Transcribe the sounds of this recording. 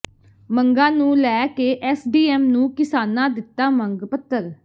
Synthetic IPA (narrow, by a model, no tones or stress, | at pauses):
məŋɡãːnũːlɛːkeːʔɛːsɖiːɛːmnũːkɪsaːnãːd̪ɪt̪ːaːməŋɡpət̪ːəɾ